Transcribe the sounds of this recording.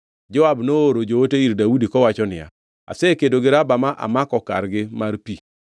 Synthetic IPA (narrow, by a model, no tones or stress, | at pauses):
d͡ʒɔabnooɾod͡ʒooteiɾdaudikɔwat͡ʃɔnɪja̰ | a̰sekedoɡɪɾabamaʔa̰makɔka̰rɡɪmarpi